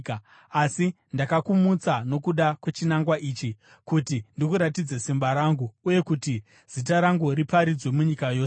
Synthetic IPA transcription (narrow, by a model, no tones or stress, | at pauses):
ka | asi | ndakakumut͡sano̞kuɗakwe̞t͡ʃinaŋɡwaʔiːt͡ʃi | kutindikuɾatid͡zesimbaɾaŋɡuːje̞kuti | z̥it̬aɾaŋɡuripaɾid͡zwe̞muɲikajo̞ːse